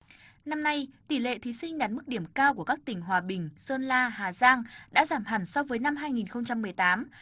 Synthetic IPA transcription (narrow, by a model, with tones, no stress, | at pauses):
na˧mna˧jt̪i˧˩lḛ˧˨t̪ʰi˨˦sï˧ŋ̟ɗaː˨˩t̚mɨ˦˥k̚ɗi˧˩əmkaː˧wku˧˩əkaː˦˥k̚t̪ï˧˩ŋ̟ɦwaː˨˩ɓï˨˩ŋ̟səː˧nlaː˧ɦaː˨˩zaː˧ŋɗa̰ː˧˥zaː˧˩mɦa˨˩ŋsɔ˧wvəː˨˦jna˧mɦaː˧jŋi˨˩nxə˧wŋ͡mt͡ɕa˧mːɨ˨˩əjt̪aː˨˦m